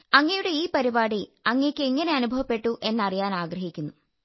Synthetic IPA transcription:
ɐŋːɐjuɽe̞iːpɐɾibaːɽiɐŋːeːkʲːɨeŋːɐne̞ɐnubʱɐʋɐpːe̞ʈːuʔe̞nːɐrijaːnaːɡɾrɐɦikʲːunːu

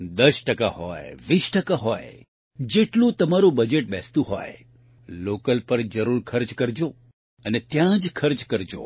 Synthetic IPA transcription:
d̪əʃʈəka̰ɦɔ̰jʋisʈəkaɦoj | d͡ʒeʈlũt̪əmaɾũbəd͡ʒeʈ̚bɛst̪ũɦo̰j | lokəlpəɾd͡ʒəɾuɾkʰəɾd͡ʒkəɾd͡ʒo | ənet̪jãd͡ʒkʰəɾd͡ʒkəɾd͡ʒo̰

